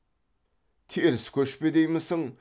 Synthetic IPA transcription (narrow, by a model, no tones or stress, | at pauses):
t̪ʰeeɾɪskʲʰɵʃped̪ejmɪsəŋ